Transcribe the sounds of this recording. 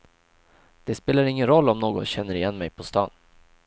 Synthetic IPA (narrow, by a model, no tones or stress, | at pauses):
d̪̥ɛspeːlaɾɪŋːənɾɔlːɔmnoːɡɔnɕɛnːəɾɪjɛnːmɛjpʰɔst̪ɑ̰ːn